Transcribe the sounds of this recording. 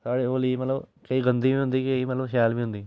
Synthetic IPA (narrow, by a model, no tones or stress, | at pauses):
saːɽeoːlimɐlɐkɐiɡɐnd̪imiund̪ikɐimɐlːɐmʃaːlmiund̪i